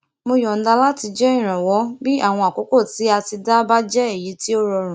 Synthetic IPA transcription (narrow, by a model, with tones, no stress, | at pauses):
mo˧jɔ˨n̩˦da˧la˦ti˧d͡ʒɛ˦ĩ˦˨ɾ̃ã˨wɔ˨˦bi˦a˦˨w̃ɔ̃˧˨a˨ko˨˦ko˦˨ti˨˦a˧ti˧da˦ba˦d͡ʒɛ˦e˦˨ji˨˦ti˦o˦ɾɔ˧ɾ̃ũ˨